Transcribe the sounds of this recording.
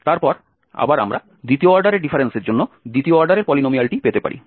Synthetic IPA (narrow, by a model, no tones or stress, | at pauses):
t̪aɾpɔɾ | a̰baɾa̰mɾa̰ | d̪it̪ioɔɾɖaɾeɾɖifʰaɾenseɾd͡ʑonːod̪ɾit̪ioɔɾɖaɾeɾpɔlinomialʈipet̪epa̰ɾʔḭ